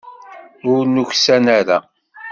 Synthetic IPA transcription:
ʊɾnuçsænæɾæ

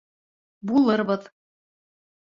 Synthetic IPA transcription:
bulˠɤɾbɤð

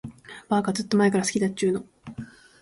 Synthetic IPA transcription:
baːkazɨt̪ːo̞mae̞kaɾasɨ̥kʲid̪at͡ɕːɨːno̞

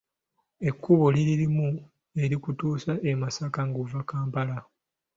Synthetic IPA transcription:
e̞kːuβoliɾiɾimu | e̞ɾikutuːsaʔemasakaŋɡuvakaːmpala

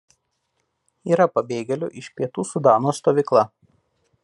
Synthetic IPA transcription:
iːɾɐpɐbʲeːɡʲɛlʲʊ̰ʔɪʃpʲiɛt̪uːsʊd̪ɑːnoːst̪oːʋʲɪklˠɐ

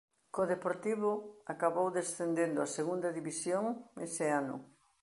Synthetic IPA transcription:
koðepoɾt̪iβʊakaβowðesθend̪end̪ʊaseɣund̪ɐðiβisjoŋmeseanʊ̰

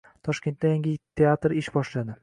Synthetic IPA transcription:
t̪ʰɒʃkʲe̞nt̪̚d̪ajaŋɡʲɪt̪ʰe̞at̪ɾɪʃbɒʃlad̪ɪ

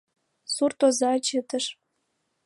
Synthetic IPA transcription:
surt̪ozɑt͡ɕət̪əʃ

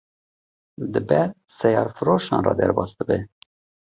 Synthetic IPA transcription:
d̪ɨbɛɾsɛjɑːɾfɨɾoːʃɑ̰ːnrɑ̰ːd̪ɛ̰ɾbɑːsd̪əbɛ

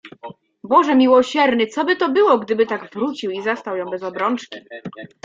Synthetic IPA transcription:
bɔʐɛmʲiwɔɕɛɾnɘt̪sɔbɘt̪ɔbɘwɔɡd̪ɘbɘt̪aɡvɾut͡ɕiwizast̪awjɔ̃w̃bɛzɔbɾɔnt͡ʂkʲi

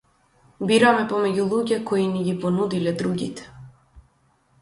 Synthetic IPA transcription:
biɾamɛpɔmɛɟulˠuɟɛkɔiniɡʲipɔnud̪ilɛd̪ɾuɡʲḭt̪ɛ̥

